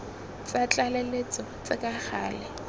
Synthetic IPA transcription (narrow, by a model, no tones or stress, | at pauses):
t͡sat͡ɬʼalelet͡sʼɔt͡sɪkʼaχʰa̰ːlɛ